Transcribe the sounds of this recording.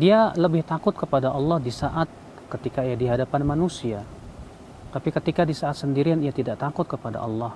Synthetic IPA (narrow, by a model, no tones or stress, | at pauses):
dialəbɪht̪akʊt̪̚kəpadaʔɑlːɑhdisaʔat̪̚ | kət̪ikaijadiɦadapanmanusia | t̪apikət̪ikadisaːt̪̚səndiɾianiat̪idaʔt̪akʊt̪̚kəpada̰ʔɑlːɑh